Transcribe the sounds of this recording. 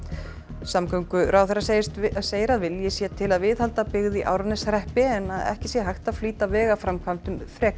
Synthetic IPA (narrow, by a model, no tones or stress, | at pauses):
samkʰœŋkʏɾawθɛrasseːjɪɾaðvɪljɪsjɛt̪ʰɪlaðvɪðhalt̪apɪɣðɪʔa̰ːwɾanɪsɾɛhpɪɛnaðɛ̰hcɪsjɛɦajxt̪aðfliːt̪avɛːɣafɾamkʰvam̥t̪ʏmfɾɛːk